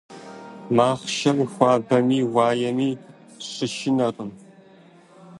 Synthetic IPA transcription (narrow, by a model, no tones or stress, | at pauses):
maːχʃɐrixʷaːbɐmiːwaːjɐmiː | ɕɨʃɪnɐrʼɨm